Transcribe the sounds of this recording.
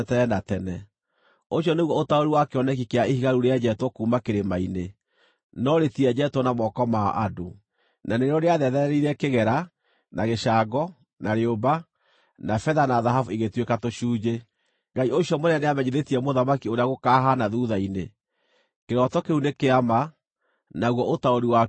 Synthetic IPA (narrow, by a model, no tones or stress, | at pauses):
tɛɛnatɛnɛ | oɕjɔneɣwɔotaoɾiwakeɔnɛk̬ikeaehiɣaɾuɾead͡ʒɛtwɔkuːmakeɾemaine | nɔɾetiɛd͡ʒɛtwɔnamɔkɔma̰ʔado | naneɾɾɔɾeaðɛðɛɾɛɾiɾɛkeɣɛɾa | naɣeʃaɡɔ | naɾeoba | nafɛðanaðaɦavueɣetwekatoʃuːd͡ʒe | ŋɡaioɕjɔmoɾaneamɛɲeðetiɛmoðamakioɾeaɣokaɦanaðuðaine | keɾɔtɔkeunekeama | naɣwɔʔotaoɾiwa